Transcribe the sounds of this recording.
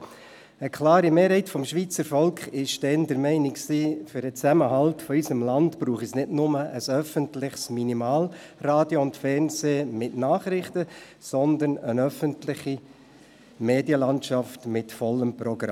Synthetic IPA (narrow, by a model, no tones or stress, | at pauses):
əkʰlɑːɾimeːɾɦɛɪtfɔmʃʋiːt͡səɾfɔlkχɪʃd̥ɛndəɾmɛɪnɪksiːfʏɾdət͡sæməɦɑltfɔisəmlɑntb̥ɾuːχisnɪdnʊməʔəsœfəntlɪχsminimɑːl | raːdjoʊntfɛɾnseːmɪtnɑːχɾɪχtə | sɔnd̪ənənœfəntlɪχi | meːdjəlɑntʃɑftmɪtfɔlːəmprɔɡ̥ɾɑ̰